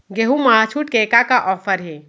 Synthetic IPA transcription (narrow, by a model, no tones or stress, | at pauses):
ɡeɦumaat͡ʃʰuʈ̚kekakaʔɔːpʰəɾɦe